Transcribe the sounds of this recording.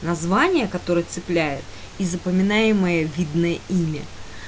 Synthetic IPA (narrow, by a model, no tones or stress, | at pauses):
nɐzvanʲɪjəkɐt̪o̞ɾəjət̪sɨplʲæjɪt̪ | izəpəmʲɪnajɪməjəvʲid̪nəjəimʲə